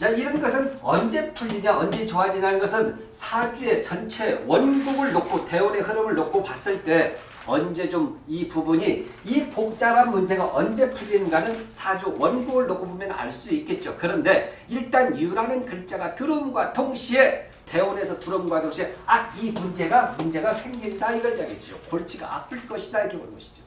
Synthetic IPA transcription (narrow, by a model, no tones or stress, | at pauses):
t͡ɕaiɾʌnɡʌsʰɯnʌnd͡ʑe̞pʰuʎːiɲaʌnd͡ʑe̞t͡ɕoɦad͡ʑinanɯnɡʌsʰɯn | sʰad͡ʑue̞t͡ɕʌnt͡ɕʰe̞wʌnɡuɡɯɭːok͈ʰote̞one̞ɦɯɾɯmɯɭːok͈ʰopas͈ɯɭt͈e̞ | ʌnd͡ʑe̞t͡ɕomipubuɲi | ipok̚t͡ɕ͈aɾamːund͡ʑe̞ɡaʔʌnd͡ʑe̞pʰɯʎːinɯnɡanɯnsʰad͡ʑuwʌnɡuɡɯɭːokʰobomjʌna̰ɭs͈uik͈e̞t̚t͡ɕ͈okɯɾʌnde̞ | iɭt͈anjuɾanɯnkɯɭt͡ɕ͈aɡatɯɾɯmɡwatʰoŋɕʰie̞ | te̞one̞sʰʌtuɾɯmɡwatʰoŋɕʰieak̚imund͡ʑe̞ɡamund͡ʑe̞ɡasʰe̞ŋɡindaiɡʌɭd͡ʑaɡet̚t͡ɕ͈o̰koɭt͡ɕʰiɡa̰ʔa̰p͈ʰɯɭk͈ʌɕʰidaɾikʰeboɭɡʌɕʰi̥d͡ʑo